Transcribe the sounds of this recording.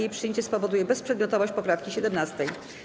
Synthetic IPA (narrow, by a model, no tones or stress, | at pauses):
ejpʂɨjeɲt͡ɕɛspɔvɔd̪ujɛbɛspʂɛd̪mʲɔt̪ɔvɔɕt͡ɕpɔpɾafkʲiɕɛd̪ɛmnast̪ɛj